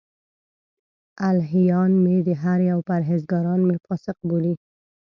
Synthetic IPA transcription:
alɦijɑnmed̪əɦaɾjawpaɾɦɪzɡɑɾɑnmefɑsɪq̚boli

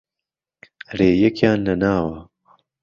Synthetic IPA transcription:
reːjɛkjaːnlɐnaːwɐ

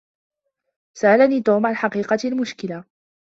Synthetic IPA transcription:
saʔalaniːt̪uːmʕanħɑqiːqɑlmʊʃkɪla

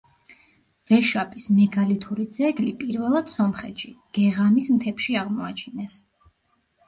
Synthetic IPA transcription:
v̥ɛʃapʼismɛɡalit̪ʰuɾid̪zɛɡlipʼiɾvɛlˠad̪̥sɔmχɛt̪ʃiɡ̥ɛʁamismt̪ʰɛpʃiaʁmɔat͡ʃʰinɛs

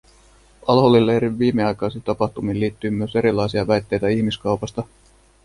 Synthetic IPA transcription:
ɑlɦolilːeɾiʋːiːmeɑjkɑjsit̪ɑpɑht̪umiːliːt̪ːyːmyøse̞ɾilɑjsiɑʋæjt̪ːe̞jt̪æiçmiskɑwpɑst̪ɑ

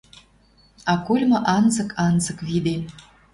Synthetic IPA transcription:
ɑkulʲmɤ̆ʔɑnzɤ̆kʰɑnzɤ̆kβid̪e

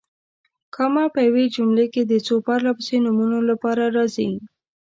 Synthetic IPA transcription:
kəmapəjawed͡ʒumleked̪ət͡sopaɾlapəsenumunolapɑɾaɾɑzi

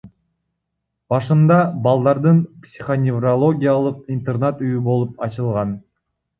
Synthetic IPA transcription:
b̥ɑʃɯnd̪ɑbɑlˠd̪ɑɾd̪ɯnpsʲi̥χonʲɪvrolˠo̞ɡʲijalˠɯq̚int̪ernat̪yjybo̞lˠupɑt͡ʃɯlˠʁɑn

